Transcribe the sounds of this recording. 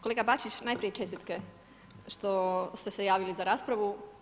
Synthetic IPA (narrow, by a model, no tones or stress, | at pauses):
koleɡabat͡ʃit͡ɕnajpɾijet͡ʃe̞st̪it̪ke | ʃt̪o̞st̪e̞sejaːʋilizaɾaːspɾaʋu